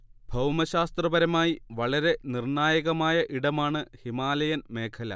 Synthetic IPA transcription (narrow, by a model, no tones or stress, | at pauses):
bʱɐwmɐɕaːst̪rɐbɐɾɐmaːjiʋɐɭɐɾe̞nirɳaːjɐɣɐmaːjɐʔiɽɐmaːɳɨhimaːlɐjɐnme̞ːkʰɐlɐ̰